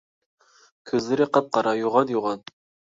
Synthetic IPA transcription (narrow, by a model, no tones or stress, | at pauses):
kʲʰøzlɪɾɪqʰɑp̪̚qɑɾɑjuʁɑnjoʁɑn